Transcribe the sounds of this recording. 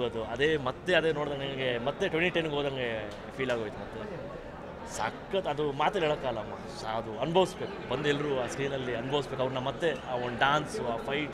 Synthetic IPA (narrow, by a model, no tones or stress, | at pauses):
ɐd̪uɐd̪eːmɐt̪ːe̞ɐd̪eːno̞ːɽd̪aŋɡeŋɡemɐt̪ːe̞ʈʋeɳʈiʈenːɡɦoːd̪aŋɡe | pʰiːlaːɡoːjit̪umɐt̪ːe | sa̰ːkːɐt̪ɐd̪umaːt̪ɐleːɭɐkːaːlɐːmːɐ | saɐd̪uɐnubʱɐʋisbeːkubɐnd̪uɛlːɐɾuaːsɾiːnɐlːiɐnubʱɐʋisbek̬ɐʋɾnɐmɐt̪ːe̞aoɳɖaːnsuaːpʰɐjʈ